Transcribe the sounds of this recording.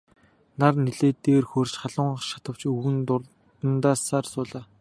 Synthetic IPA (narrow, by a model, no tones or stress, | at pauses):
narneɮeːt̪eːrxoːrt͡ɕχaɮʊːɴʃḁt̪ə̆w̥t͡ɕuɣɘ̆n | tənt̪aːsaːrsʊːɮaː